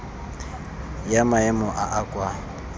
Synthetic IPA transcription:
jamaɛmɔʔaʔakʼwa

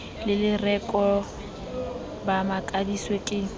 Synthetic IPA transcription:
lɪlɪrɛkʼɔ | bamakʼadiswekʼɪ

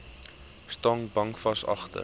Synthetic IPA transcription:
stɑːŋbɐŋfɐsɐ̰χtə̰

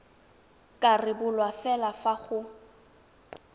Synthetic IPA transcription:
kʼarɪbʊlwafɛlafaχʊ

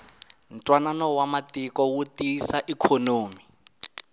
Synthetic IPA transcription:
n̩tʼwananɔwamatikɔwutisaʔikʰonoːmi

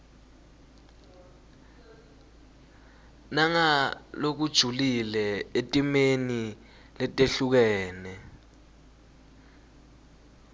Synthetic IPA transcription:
naŋalok̬ud̥ʒ̥ʱulilɛetʼimeni | lɛtʼeɬuk̬ɛːnɛ

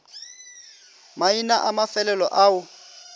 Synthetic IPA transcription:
mainaʔamafɛlɛlɔʔaʊ

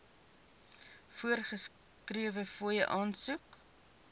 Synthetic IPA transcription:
fuərχəs | kriəvəfuəjəʔɑːnsuk

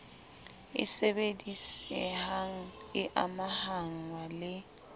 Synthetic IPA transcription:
ɪ̰sɛbedisɛhaŋ̩ɪʔamahaŋ̩walɪ

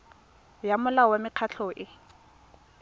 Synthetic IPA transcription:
jamʊlawamɪq͡χʰat͡ɬʰɔʔɪ

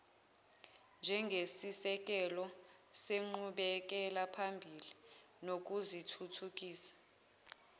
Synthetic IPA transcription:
nd͡ʒʱɛŋɡʱesisɛk̬ʼɛlɔseŋ͡ǃuɓɛk̬ɛlapʰambʱili | nok̬uzitʰutʰuk̬ʼiːsḁ

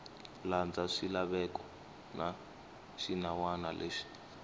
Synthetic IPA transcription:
land͡zaʂilaɓɛkɔ | na | ʃinawana̰lʔeʂi̥

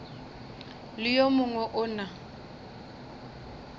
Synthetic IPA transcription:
lɪjomʊŋwɛʔʊna

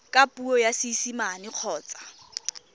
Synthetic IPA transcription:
kʼapʼuɔjasisimanɪq͡χʰɔːt͡sʼḁ

